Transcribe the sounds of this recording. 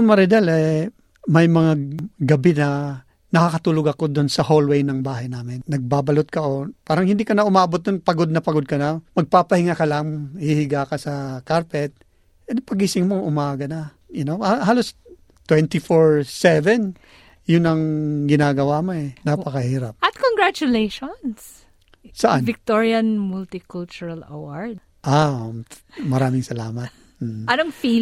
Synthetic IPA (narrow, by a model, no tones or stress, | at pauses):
mɐɾɪd̪ɛlɛ | mɐjmɐŋaɡɐbɛnɐ | nɐkakɐt̪uːloɡɐkod̪onsɐɦolwɛjnɐŋbaːɦɐjnaːmɪnːɐɡ̚baːbɐlot̪̚kɐʔopaːɾɐŋhɪnd̪ikɐnaʔʊmaːbot̪̚d̪onpɐɡod̪̚nɐpɐɡod̪̚kɐnamɐɡ̚papɐhɪŋakɐlaŋhihɪɡakɐsɐkaɹpɛt̪̚ | ɛpɐɡisɪŋmoʔʊmaːɡɐnɐ | jʊnoahaːlos | t̪wɛnt̪ifoɹsɛvɛn | jʊnɐŋɡɪnaːɡɐwamoɛnapɐkɐhiːɾɐp̚ɐt̪̚koŋɡɹat͡ʃʊlejʃons | sɐʔanvɪk̚t̪oɹjɐnmult̪ɪkult͡ʃʊɹɐlɐ̰waɹd̪ | ʔa | mɐɾaːmɪŋsɐlaːmɐt̪̚ | m̩ːɐnoŋfi